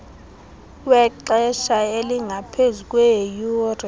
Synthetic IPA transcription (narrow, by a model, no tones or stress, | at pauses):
wɛǃɛʃaeliŋʱapʰezukʼwɛjuːri